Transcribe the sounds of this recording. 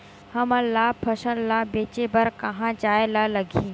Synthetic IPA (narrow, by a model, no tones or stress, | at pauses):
hɐməlaːpʰɐʃəllaːbeːt͡ʃebɐɾkɐɦãd͡ʒaːjlalɐɡʱĩː